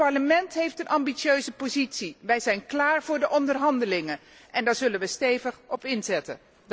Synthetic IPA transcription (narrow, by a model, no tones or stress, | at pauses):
pɑɹləmɛntɦejftənʔɑmbisøɥzəpozitsiʋɛjzɛjnklaːɹv̥ʊːɹdəʔɔndərɦɑndəlɪŋə | ʔɛndaːɹzɵlənʋəstejvəχɔpɪnzɛtə̰